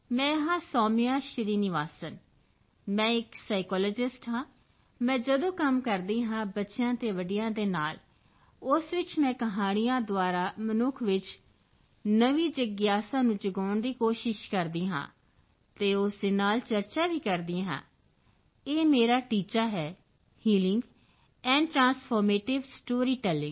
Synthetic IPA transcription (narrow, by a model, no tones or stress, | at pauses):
mɛ̃ːɦãːsɔːmɪjaːʃəɾiːnɪʋaːsən | mɛ̃ːɪksaːɪkɔːlɔːd͡ʒɪsʈɦãː | mɛ̃ːd͡ʒəd̪õːkəmkəɾd̪iːɦãːbətːʃjãːt̪eːʋəɖɪjãːd̪eːnaːl | ʊsʋɪt͡ʃmɛ̃ːkəɦaːɽɪjãːd̪ʊaːɾaːmənʊkʰʋɪt͡ʃ | nəʋiːd͡ʒəɡjaːsãːnũːd͡ʒəɡaːɳd̪iːkoːʃɪʃkəɾd̪iːɦã̰ː | t̪eːʊsd̪eːnaːlt͡ʃəɾt͡ʃaːʋiːkəɾd̪ĩːɦã̰ː | eːmeːɾaːʈiːt͡ʃaːɦɛː | hiːlɪŋɡ | ɛ̃ːɳɖʈɾãːnspʰoːɾmeːʈɪʋsʈoːɾiːʈɛːlɪ̃ŋɡ